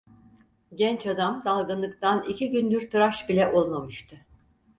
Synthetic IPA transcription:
ɟɛnt͡ʃad̪amd̪alˠɡanˠɯkt̪ʰanicʰiɟynd̪yɾt̪ʰɯɾaʃbilʲɛʔo̞lˠmamɯʃt̪ʰɯ

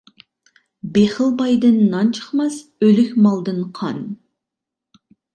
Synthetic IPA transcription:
beχəlˠbɑjd̪ɨnːɑnt͡ʃʰə̥χmɑsølykʲmɑlˠd̪ɨnqʰɑn

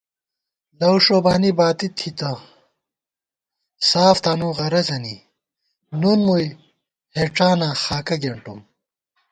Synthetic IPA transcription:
lɐwʂobaːnibaːt̪it̪ʰit̪ɐ | saːft̪aːnuːʁɐɾɐzɐnḭ | nunmuj | heʈ͡ʂaːnaːxaːkɐɡeɳʈṵm

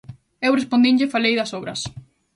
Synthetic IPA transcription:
ewrespond̪iɲʎɪfalejðɐsoβɾɐs

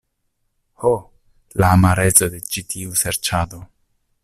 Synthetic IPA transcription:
ho | laːmaɾet͡so̞de̞t͡ʃitʰiuse̞ɾt͡ʃado̞

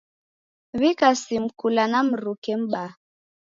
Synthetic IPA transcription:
βikasim̩kulanam̩ɾukɛm̩ɓa

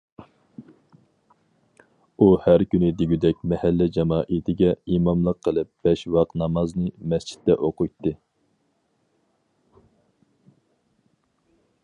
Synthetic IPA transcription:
uhæɾkʲynɪd̪iɡʲyd̪ɛk̚ʲmɛhɛlːɛd͡ʒɑmɑːʔit̪ʰɪɡʲɛimɑmlˠəqʰːəlˠɨp̚b̥ɛʃwɑqnɑmɑznɨmɛst͡ʃʰi̥t̪ːɛʔoqʊjt̪ːɨ

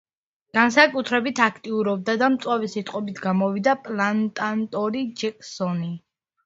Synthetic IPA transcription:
ɡ̥ansakʼut̪ʰɾɛbit̪ʰakʰt̪ʼiuɾɔb̚d̪ad̪amt̪sʼwavisit̪ʼqʼɔbit̪ʰɡamɔvid̪apʼlant̪ʼant̪ʼɔɾid͡ʒɛkʼsɔni

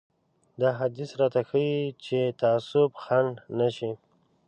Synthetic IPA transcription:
d̪aɦad̪isɾɑt̪axəwit͡ʃet̪aːsʊbxaɳɖnaʃi

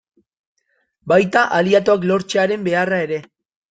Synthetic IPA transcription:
bajt̪aʔaliat̪o̞aklo̞ɾt͡ʃeaɾe̞mbe̞arae̞ɾe̞

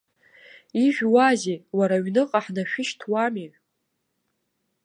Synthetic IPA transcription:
iʒᶣwazewaɾaɥnɨqʼaħnaʃᶣɪʃtʰwami

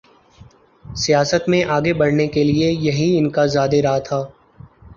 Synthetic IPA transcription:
sijaːsət̪mẽʔaːɡebɐɽnekeliejɐɦiɪnkazaːd̪eɾaɦat̪ʰaː

